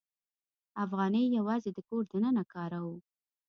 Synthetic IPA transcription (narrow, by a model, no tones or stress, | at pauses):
afɣɑnəjːawɑzed̪əkoɾd̪ənənakɑɾawu